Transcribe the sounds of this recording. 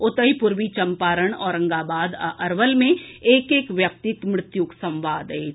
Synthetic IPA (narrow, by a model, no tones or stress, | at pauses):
ʊt̪əipʊɾʋit͡ʃɐ̃mpaːɾəɽ̃ɔːɾɐ̃ŋɡaːbaːd̪ʔɐɾʋəlmẽeːkeːkʋjɐk̚t̪ɪt̪mɾɪt̪jʊksɐ̃mʋaːd̪eː